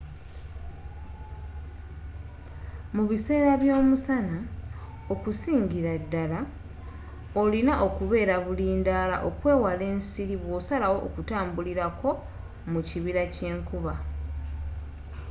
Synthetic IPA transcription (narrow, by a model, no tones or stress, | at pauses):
muβise̞ːɾaβjo̞ːmusana | o̞kusiːɲɟiɾadːala | o̞linaʔo̞kuβe̞ːɾaβuliːndaːla̰ʔo̞kwe̞ːwale̞ːnsiɾiβwo̞ːsalawo̞ʔːkutaːmbuliɾako̞ | muciβiɾace̞ːŋkuβa